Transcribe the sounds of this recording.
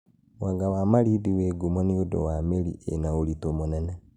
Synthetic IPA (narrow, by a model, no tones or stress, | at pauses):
waɡawamaliðiweɡumonijodo̰wamelḭḛnaulitomonena